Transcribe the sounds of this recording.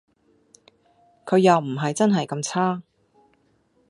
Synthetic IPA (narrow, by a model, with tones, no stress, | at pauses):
kʰɵ˨˧ɥjɐ˨wm̩˨˩ɦɐ˨jt͡sɐ˥nɦɐ˨jkɐ˧mt͡sʰaː˥